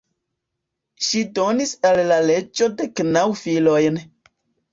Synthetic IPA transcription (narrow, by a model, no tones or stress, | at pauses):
ʃidonisalːaled͡ʒodeknawfilojn